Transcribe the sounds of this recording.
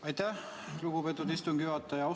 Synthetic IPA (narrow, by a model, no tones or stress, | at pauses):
ɑjt̪æh | luɡ̥upet̪ːˑud̪ist̪uŋɡyɑt̪ːˑɑjɑo